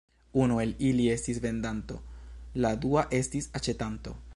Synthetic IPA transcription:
unue̞lilie̞stisve̞ndanto̞̰laduaʔe̞stisat͡ʃe̞tanto̞̰

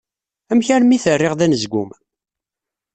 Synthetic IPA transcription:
æmçaɾmiθərːɪʁðænəzɡum

